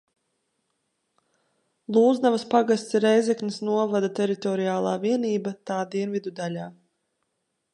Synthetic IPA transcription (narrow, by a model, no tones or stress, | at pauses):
lˠuːzd̪avaspaɡast̪siɾɛjzɛknisnuɔvad̪at̪ɛɾit̪ɔɾiaːlˠaːviɛniːbat̪aːd̪iɛnvid̪ud̪alʲaː